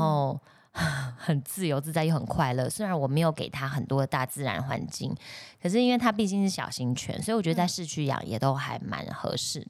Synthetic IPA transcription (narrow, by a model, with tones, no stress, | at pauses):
o˥˧ʊ | xə˨˩nt͡sɹ̩˥˩jo˧˥ʊt͡sɹ̩˥˧t͡sa˥˧jo˥˩xə̰˨˩nkʰwa˥˧ɪlɤ˥˩swe˥ɻa˧˦nwɔ˨˩me˧˥ɪjo˧˥ke˨˩ɪt̪ʰa˥xə˨˩nt̪wɔ˥d̪ə˨t̪a˥˧˩t͡sɹ̩˥˩ɻa̰˧˥nxwa̰˧˦nt͡ɕḭ˥˩ŋkʰə˨˩ʂ̬ɻ̩˥˧i˥nwe˥˩t̪ʰa˥pi˥˧t͡ɕi˥˧ŋʂɻ̩˥˩ɕjɑ̰˨˩ʊɕi˥ŋt͡ɕʰɥɛ̰˥nswɔ˧˥i˧wɔ˨˩t͡ɕɥɛ˧˥ə˧˩t͡sa˥˧ʂɻ̩˥˧t͡ɕʰy˥˩jɑ̰˨˩ŋjɛ̰˨˩t̪o˥ʊxa˧˥ɪma̰˧˥nxɤ̰˧˥ʂɻ̩˥˩